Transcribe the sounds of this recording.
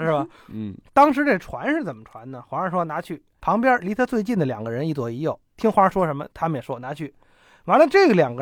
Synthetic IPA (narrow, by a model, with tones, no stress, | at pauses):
ʂɻ̩˥˩bə˩ | t̪ɑ˥ŋʂɻ̩˧˥ʈ͡ʂe˥˩ɡə˩ʈ͡ʂʰwa˧˥nʂɻ̩˥˩t͡sə˨˩mə˦ʈ͡ʂʰwa˧˥nnə˨xwa˧˥ə˧˩ʂwɔ˥na˧˥t͡ɕʰy˥˩ | pʰɑ˧˥ŋpjɛ˥li˧˥t̪ʰa˥t͡swe˥˧ɪt͡ɕi˥˩nd̪ə˩ljɑ̰˨˩ŋɡə˦ɻə˧˥ni˥˩t͡swɔ˨˩i˧˥jo˥˩ʊt̪ʰi˥ŋxwa˧˥ə˥˧ʂwɔ˥ʂə˧˥nmə̰˧t̪ʰa˥mə˨jɛ˨˩ʂwɔ˥na˧˥t͡ɕʰy˥˩ | wa˧˥nlə˧ʈ͡ʂɤ˥˩ɡə˩ljɑ˨˩ŋɡə˧